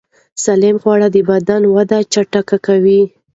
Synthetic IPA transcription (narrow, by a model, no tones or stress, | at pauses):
salemxwɑɽad̪əbad̪anwad̪at͡ʃaʈakakawi